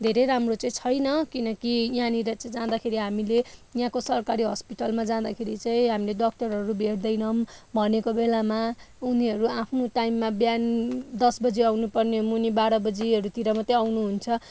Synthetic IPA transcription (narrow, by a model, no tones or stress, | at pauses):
d̪ʱeɾejɾamrot͡sʌĩt͡sʰʌjnʌkinʌkijãniɾʌt͡sʌĩd͡zãd̪akʰeɾiɦamilejãkosʌrkaɾiɦʌspiʈʌlmad͡zãd̪akʰeɾit͡saĩɦamileɖʌk̚ʈʌrɦʌɾubʱeɽd̪ʌjnʌmbʱʌnekobelamauniɦʌɾuapʰnoʈaimːabjand̪ʌsbʌd͡ziawnupʌrnemunibaɽʌbʌd͡ziʌɾut̪iɾʌmʌt̪eawnuɦunt͡sʰʌ